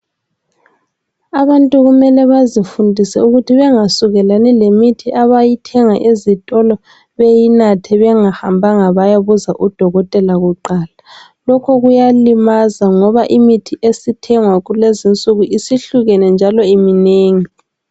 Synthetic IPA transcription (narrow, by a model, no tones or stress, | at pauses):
aβantʼuɣumɛlɛβazifundʱisɛuɣutʰiβɛŋasuɣɛlanɛlemitʰiʔaβajitʰɛŋaʔezitʼɔlɔ | βejinatʰɛβɛŋahambʱaŋaβajaβuzaʔud̥ʱɔɣɔtʼɛlaɣuǃaːla | lɔkʰɔɣujalimazaŋɔβaʔimitʰiʔesitʰɛŋwaɣulezint͡sʼuɣuʔisiɬuɣɛnɛnd͡ʒʱalɔimineːŋi